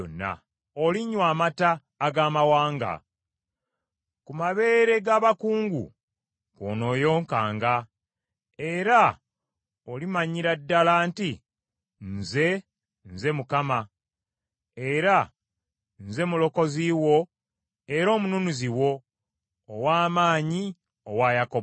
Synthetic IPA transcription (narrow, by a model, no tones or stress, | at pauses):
onːa̰ | oliɲwaːmataː | ɡaːmawaːŋɡa̰ | kumaβe̞ːɾe̞ɡaːβakuːŋɡṵ | ko̰no̞ːjo̞ːŋkaːŋɡa | e̞ɾa | olimaɲiɾadːalaːnti | nze̞ | nze̞mukama | eɾa | nze̞mulo̞ko̞ziːwo̞ | e̞ɾo̞ːmununuziwo̞ː | waːmaːɲi | owaːjako